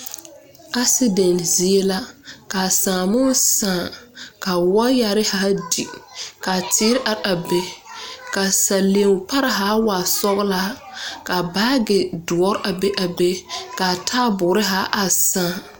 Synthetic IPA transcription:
a˦sɪ˦de˨nzi˨˦e˦la˦ka˨sãː˨mʊ˦sãː˨ka˨wɔ˦ja˨ɾɪ˦ha˨˦di˨ka˨tɪ˦ɾɪ˦ʔa˨ɾa˨be˦ka˨sa˨le˨˦ŋ˨pa˦ɾɪ˦ɦa˨˦wa˨sɔ˦ɣla˦ | ka˨baː˦ɡɪ˨dʊ˨ɔ˦ɾʔa˨be˦ʔa˨be˦ka˨tʰaː˦bʊ˨ɾɪ˦ɦaː˨˦ʔa˨sãː˦˨

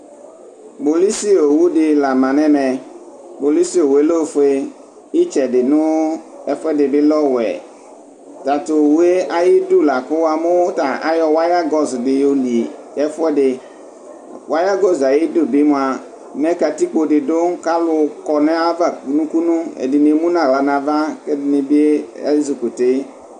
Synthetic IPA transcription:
bo˨li˦si˦o˨wu˦dɪ˨la˨mã˨nɛ̃˦mɛ˨ | bo˨li˦si˦o˨we˨˦lo˦˨˦fe˦ | i˦t͡ʃɛ˨dɪ˨nʊ̃˦ɛ˦fʊ˦ɛ˦dɪ˨bɪ˦lɔ˦wɛ̰˨ | ta˨tʊ˨wu˨˦e˦ʔa˨jɪ˦du˦la˨kʊ˦wa˨mʊ̃˦ta˨a̰˨jɔ˨wa˦ja˦ɡɔ˨sdɪ˨jo˨li˨ | ɛ˦fʊ˦ɛ˦dɪ˨ | wʔa˦ja˦ɡɔ˦za˨jɪ˦do˦˨bɪ˦mʊ̃˨a˨ | nɛ˦ka˨ti˦k͡po˨dɪ˨dʊ˦ka˦lʊ˨kɔ˨nɛ˦a˦va˨ku˨nũ˦ku˦nũ˦ḛ˨dɪ˨ne˨˦mũ˦nã˨ɣla˨nã˨va˦kɛ˦dɪ˨nɪ˨bi˦e˦ɛ̰˦zu˨ku˨te˦

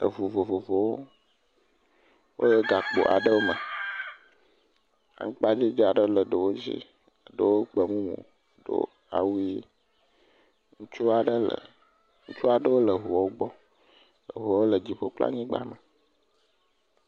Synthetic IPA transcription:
ə̰˨vo˨vo˨vo˨vo˨wo˦ | wo̰˦je˦ɡa˨k͡po̰˨ʔa̰˨ɖə˦wo˦mə˨ | a̰˨ŋũ˦k͡pa˦d͡ʑi˦d͡ʒa˨ɖə˦lə˨ɖə˨wo˦d͡ʑḭ˦ | ə˨ɖə˨wo˦k͡pə˨mũ˦mṵ̃˨ | ɖə̰˦ | a̰˨wu˦i˦ | ŋu˦t͡ʃu˦a˨ɖə˦lə̰˨ | ŋũ˦t͡ʃu˦a˨ɖə˦wo˦lə˨ɦo˨˦o˦ɡ͡bɔ˦ | lə̰˨ɦo˨˦o˦lə˨d͡ʑi˨ɸo˦k͡pla̰˦ɲĩ˦ɡ͡ba˦mə˨

